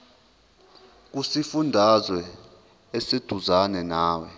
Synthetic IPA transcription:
k̬usifundʱazwɛ | esed̥ʱuzanɛnaːwɛ

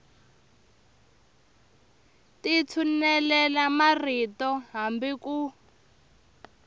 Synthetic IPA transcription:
tit͡sʰunɛlɛlamaritɔɦambiku

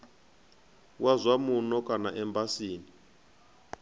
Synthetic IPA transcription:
wazʷamunɔkʼanaʔɛmbasiːni

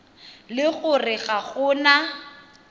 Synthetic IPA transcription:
lɪɣʊrɪɣaɣʊːna

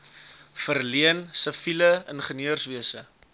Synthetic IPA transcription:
fərliənsəfiləənχəniøərsviəsə

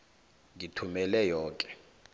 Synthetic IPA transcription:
ŋitʰumɛlɛjɔːkʼɛ̥

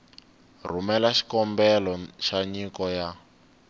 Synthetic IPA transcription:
r̤umɛlaʃi̥kɔmbɛlɔʃaɲikɔja

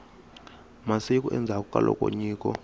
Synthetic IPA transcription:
masik̬ʼuʔɛnd͡zʱak̬ʼukʼalʔɔkʼoɲiːkɔ

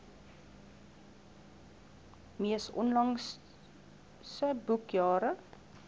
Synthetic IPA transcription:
miəsɔ̰nlɐŋ | səbukjɑːɾə

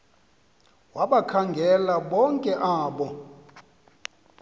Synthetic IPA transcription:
waɓakʰaŋɡʱɛlaɓɔŋkʼɛʔaːɓɔ

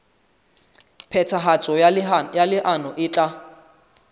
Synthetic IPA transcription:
pʰɛt͡sʰaɦat͡sʼɔjalɪʔanɔʔɪːt͡ɬʼa

